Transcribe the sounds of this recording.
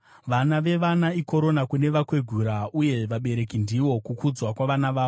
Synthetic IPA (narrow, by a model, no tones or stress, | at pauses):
ʋanaʋe̞ʋanaiko̞ɾo̞nakune̞ʋakwe̞ɡʱuɾauje̞ʋaɓe̞ɾe̞kindiʋo̞kukud͡zwakwaʋanaʋaːo